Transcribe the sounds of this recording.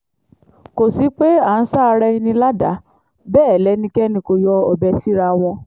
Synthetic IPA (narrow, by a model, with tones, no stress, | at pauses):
ko˨si˨˦k͡pe˦a˨n̩˦sa˦˧ɾɛ˧i˧nĩ˧la˦da˨˦ | bɛː˦˨lɛ˨˦nĩ˧kɛ˦nĩ˧ko˧jɔ˧ɔ˨bɛ˧si˦ɾa˧w̃ɔ̃˧